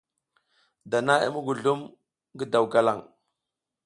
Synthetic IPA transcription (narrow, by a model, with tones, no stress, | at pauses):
da˨na˦ḭ˦mu˦ɡu˨ɮu˦m | ɡə˦da˨wka˦la˦˨ŋ